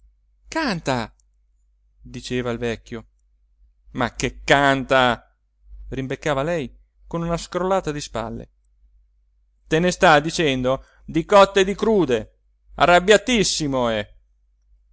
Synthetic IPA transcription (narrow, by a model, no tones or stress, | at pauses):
kant̪a | d̪it͡ʃeːvailvɛkʲːjo | makːekːant̪a | rimbekːaːvalɛj | konunaskɾolːaːt̪ad̪ispa̰lːḛ | t̪enest̪ad̪it͡ʃɛnd̪o | d̪ikɔt̪ːed̪ikɾuːd̪e | a̰rːabːjat̪isːimoɛ